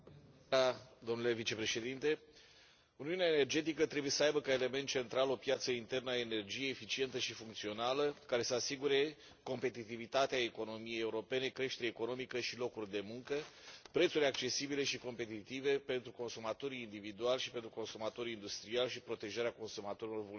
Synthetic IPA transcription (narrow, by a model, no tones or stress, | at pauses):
ad̪o̞mnule̞vit͡ʃe̞pɾe̞ʃe̞d̪int̪e̞ | uniuneaene̞rd͡ʒe̞t̪ikət̪ɾebuje̞səajbəkae̞le̞me̞nt̪̚t͡ʃe̞nt̪ɾalo̞pjat̪səint̪e̞rnəaene̞rd͡ʒijeːfit͡ʃie̞nt̪əʃifuŋkt̪sio̞naləkaɾe̞səasiɡuɾe̞ | ko̞mpe̞t̪it̪ivit̪at̪eaeko̞no̞mije̞jeuɾo̞pe̞ne̞kɾe̞ʃt̪e̞ɾeːko̞no̞mikəʃilo̞kurʲd̪e̞muŋkəpɾet̪suɾʲak̚t͡ʃe̞sibile̞ʃiko̞mpe̞t̪it̪ive̞pe̞nt̪ɾuko̞nsumat̪o̞ɾiːnd̪ivid̪ualʃi̥pe̞nt̪ɾuko̞nsumat̪o̞ɾiind̪ust̪ɾialʃipɾo̞t̪e̞ʒaɾeako̞nsumat̪o̞ɾilo̞rvu